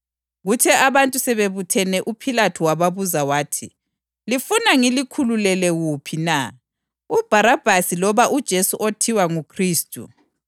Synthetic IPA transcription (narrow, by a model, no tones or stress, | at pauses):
ɣutʰɛʔaβantʼusɛβeβutʰɛnɛʔupʰilatʰuwaβaβuzawaːtʰi | lifunaŋilikʰululɛlɛɣupʰina | ub̥ʱaɾab̥ʱasilɔβaʔud̥ʒ̥ʱesuʔotʰiwaŋukʰriːstʼṵ